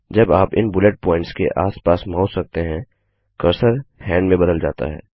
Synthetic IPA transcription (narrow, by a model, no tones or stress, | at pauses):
d͡ʒɐbaːpɪnbʊleʈ̚pɔːɪ̃ɳʈskḛʔaːspaːsmaːʊssɐk̚t̪eɦɛ̃ | kɐɾsəɾhɛ̃ːɳɖmẽbɐd̪əld͡ʒaːt̪a̰ɦɛ̰ː